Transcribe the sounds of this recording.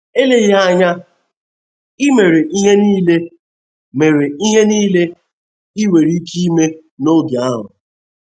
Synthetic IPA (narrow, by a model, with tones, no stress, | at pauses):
e˦le˨ji˦ɦa˦ɲa˦ | i˦me˨ɾe˨ʔi˦ɦe˦niː˦le˦ | me˨ɾe˨i˦ɦe˦niː˦le˦ | i˦we˨ɾi˦ki˦i˦me˦ | no˦ɡja˨a˦ɦʊ̰˨